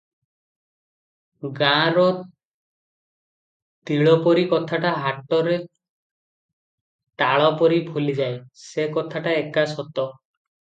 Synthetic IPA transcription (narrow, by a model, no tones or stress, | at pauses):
ɡãɾɔ | t̪iɭɔpɔɾikɔt̪ʰaʈaɦaʈɔɾe | ʈaɭɔpɔɾibʱulid͡ʒajsekɔt̪ʰaʈaekasɔt̪ɔ